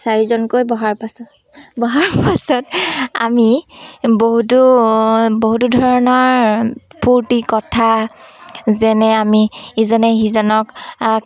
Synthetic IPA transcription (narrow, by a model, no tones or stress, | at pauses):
saɹizɔnkojbɔɦaɹpasɔt | bɔɦaɹpasɔta̰miboɦutu | boɦutudʱɔɹɔnɔɹpʰuɹtikɔtʰa | zɛnɛamiizɔnɛxizɔnɔk